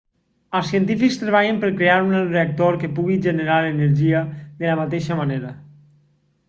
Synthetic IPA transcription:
əlˠsiənt̪ifikst̪ɾeβaʎempəɾkɾeaɾunalreak̚t̪oɾkepuɣiʒeneɾaleneɾʒiəðələmat̪eʃəmaneɾə

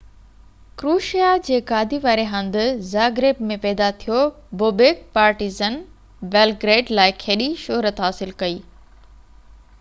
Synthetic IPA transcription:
kɾuːʃijad͡ʑeːkaːd̪ʱiʋaːɾeɦɐ̃nd̪ʊzaːɡɾeːbmẽpɛːd̪at̪ʰijo | boːbeːk̚paːɾʈiːzən | bɛːlɡɾeːɖlaːɪkʰeːɗiʃoːɾət̪ɦaːsɪlkɐiː

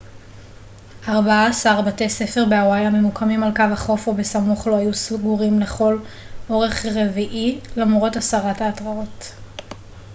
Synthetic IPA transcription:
ʔaʁbaaːsaʁbate̞jse̞feʁbeawajame̞mukʰamimalkavhaχo̞fobesamuχlo̞ajusuɡuʁimle̞χo̞l | o̞ʁe̞χʁe̞viʔilamʁo̞tasaʁataːtʁao̞t

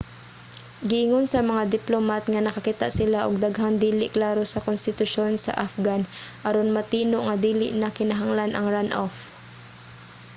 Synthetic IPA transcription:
ɡɪʔɪŋonsɐmɐŋad̪ɪplomat̪̚ŋɐnɐkɐkit̪a̰ʔsɪlaʔoɡ̚d̪aɡɦand̪iːlɪʔklaːɾosɐkonst̪ɪt̪ʊʃonsɐ̰ʔafɡanʔɐɾonmɐt̪iːnoʔŋɐd̪iːlɪʔnɐkɪnɐɦaŋlanʔɐŋɹanʔof

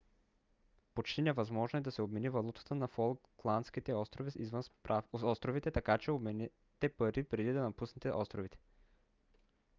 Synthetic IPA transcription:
pot͡ʃt̪inɛvɐzmɔʒnoɛd̪ɐsɛobmɛnivɐlˠut̪ə̥t̪ənɐfolˠklˠanskit̪ɛɔst̪ɾoviḭzvənsaɔst̪ɾovit̪ɛt̪ɐkat͡ʃɛomɛn | t̪ɛpɐɾipɾɛd̪id̪ɐnɐpusnɛt̪ɛʔɔst̪ɾovit̪ɛ̥

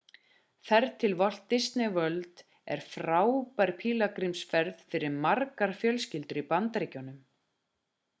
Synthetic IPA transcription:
θɛɾt̪ʰɪlvɔl̥t̪ːɪst̪nɪvœlt̪ | ɛ̰ɾ̥fɾaːwupaɾpʰiːlakɾimsfɛɾðfɪɾɪɾmarkaɾ̥fjœlscɪlt̪ʏɾipant̪ɾɪcɔnʏm

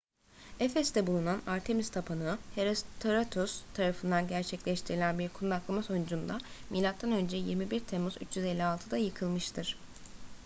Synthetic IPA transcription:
ɛfɛst̪ʰɛbulˠunanaɾt̪ʰe̞mist̪ʰapʰanɯeɾt̪ʰoɾat̪ʰust̪ʰaɾafɯnd̪anɟæɾt͡ʃʰɛclʲɛʃt̪ʰiɾilʲænbiɾkʰunud̪aklˠamaso̞jund͡ʒund̪amilʲat̪ːanø̞nd͡ʒɛjiɾmibiɾt̪ʰemuzy̰t͡ʃjyzɛlʲːialˠt̪ʰɯd̪ajɯkʰɯlˠmɯʃt̪ʰɯɾ̥

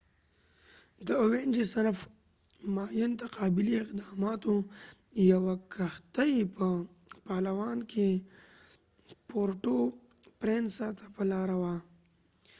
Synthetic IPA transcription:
d̪əowend͡ʒisanf | maːjunt̪aqɑːbɪliɪqd̪ɑːmɑːt̪o | jawakaxt̪aipə | paːlawɑːnkʰe | poɾʈopɾensat̪ʰḁpəlɑːɾawa

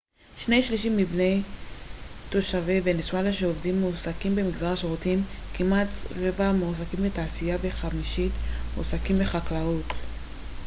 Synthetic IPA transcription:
ʃne̞jʃliʃ̬imːibne̞j | to̞ʃavevenesmalaʃeovdimːuusakimbe̞miɡzaʁaʃeʁutim | kimat̪ʁevamusakimbetaːsijave̞χamiʃitmusakimbe̞χaklaut

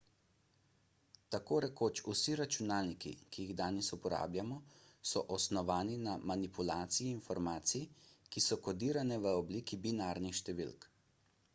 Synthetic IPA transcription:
t̪akoːɾɛkoːt͡ʃusiɾat͡ʃunaːlnikḭkijiɣd̪aːnɛsupɔɾa̰ːbljamɔsɔʔɔsnɔʋaːninamanipulaːt̪sijiːnfɔɾmaːt̪sikisɔkɔd̪iːɾanɛʋəɔbliːkibinaːɾnixʃt̪ɛʋḭlk

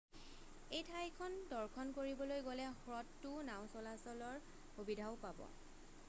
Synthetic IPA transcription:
ejtʰajkʰɔndɔɹkʰɔnkoɹibɔlojɡolɛhɹɔtːʊnaw̃sɔlasɔlɔɹ | xubidʱaʊpabɔ̰

